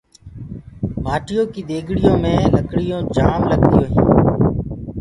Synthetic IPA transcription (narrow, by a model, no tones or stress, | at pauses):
maːʈɪjõːkiːɗ̪eːɡʱɽɪjõːmẽːləkɽɪjõːd͡ʒaːmləɠt̪ijõːɦḭ̃ː